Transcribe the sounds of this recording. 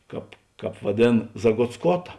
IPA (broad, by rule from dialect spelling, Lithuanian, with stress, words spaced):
ˈkɑːp ˈkɑːp ʋɐˈdʲeːn zɐɡoːtsˈkoːtɐ